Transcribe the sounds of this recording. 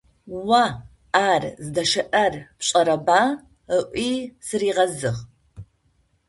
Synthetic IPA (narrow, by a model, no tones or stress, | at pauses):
wa | aːrzdɐʂɐʔɐrpɕʼɐɾɐbaː | əʔʷʼisɨriːʁɐzɨʁ